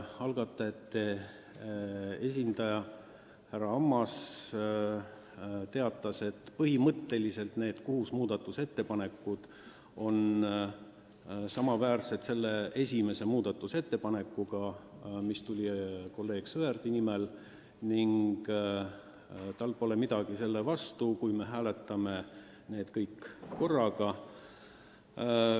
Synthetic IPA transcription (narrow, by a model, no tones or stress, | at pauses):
ɑlɡ̥ɑt̪ːˑɑet̪ːe | e̞s̬ʲind̪̥ɑjɑ | hærɑɑmːɑs | t̪e̞ɑt̪ːˑɑse̞t̪ːpɤhimɤt̪ːe̞lise̞lt̪ne̞ːd̪̥koɦusmuːd̪̥ɑt̪ːˑuse̞t̪ːe̞pɑne̞kːˑud̪̥ | o̞n | sɑmɑvæːrset̪se̞lːee̞sʲime̞se̞muːd̪̥ɑt̪ːˑuse̞t̪ːe̞pɑne̞kˑːuɡ̥ɑmist̪ulʲiko̞lːe̞ːɡ̥sɤerd̪̥inimel | niŋɡ̥ | t̪ɑlpo̞le̞mid̪̥ɑɡ̥ise̞lːevɑst̪ukujme̞ɦæːle̞t̪ːˑɑme̞ | ne̞ːd̪̥kɤjkːo̞rːɑɡ̥ɑ